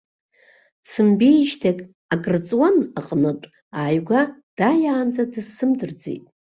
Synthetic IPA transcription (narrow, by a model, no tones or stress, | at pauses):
t͡sʰɨmbijʃtʰakʼ | akʼrt͡sʼwanaqʼnɨtʼ | aːjɡʷad̥ajaːnd͡zadɨzsɨmdɨrd͡zḛtʼ